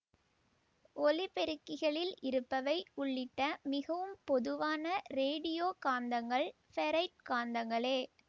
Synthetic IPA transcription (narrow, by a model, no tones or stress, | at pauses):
ɔlɪpɛɾɯkːɪɣɐɭɪlɪɾɯpːɐʋɐɪʊɭːɪʈːɐmɪɣɐʋɯmpɔðɯʋaːnɐɾeːɽɪjoːkaːnd̪ɐŋɡɐɭ | fɛɾɐɪʈ̚kaːnd̪ɐŋɡɐɭeː